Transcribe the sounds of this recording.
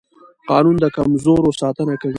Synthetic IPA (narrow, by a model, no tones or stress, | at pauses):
qɑnund̪əkamzoɾosɑt̪ənakawi